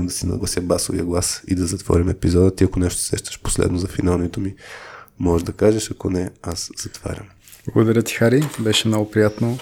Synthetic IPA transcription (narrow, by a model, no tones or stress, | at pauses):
md̪ɐsinɐ̰ɡlˠɐsjəbasovḭəɡlˠasḭd̪ɐzɐt̪vɔ̰ɾʲimɛpizɔd̪ət̪iɐkonɛʃt̪o̥sɛ̰ʃt̪ə̥ʃpo̥slɛ̰d̪nozɐfinalˠnit̪omimɔʒd̪ɐkaʒɛʃɐkonɛasz̥ɐt̪va̰ɾʲɐ̰m | blˠɐɡod̪ɐɾʲət̪i̥xaɾibɛʃɛmnɔɡʊpɾijat̪no